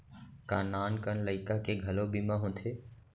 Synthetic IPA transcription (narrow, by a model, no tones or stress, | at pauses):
kaːnaːnkənləɪkakeɡʱəlobimãːɦõnt̪ʰeː